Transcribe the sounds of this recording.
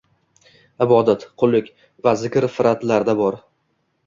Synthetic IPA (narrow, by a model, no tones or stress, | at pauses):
ɪbɒd̪at̪qʰʊlˠːɪkʲ | vazɪkʲɾfɪɾat̪laɾd̪abɒɾ